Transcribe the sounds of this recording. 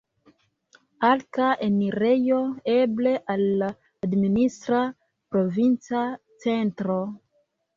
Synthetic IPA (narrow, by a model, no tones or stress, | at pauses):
alkaʔeniɾejo̞e̞ble̞ʔalːaː | dministɾa | pɾo̞vint͡sa | t͡se̞ntɾo̞